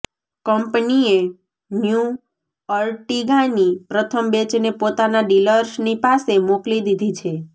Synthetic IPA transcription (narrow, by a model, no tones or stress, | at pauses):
kəmpnie | nju | əɾʈiɡãnipɾət̪ʰəmbet͡ʃnepot̪anaɖiləɾʃnipasemoklid̪id̪ʱit͡ʃʰe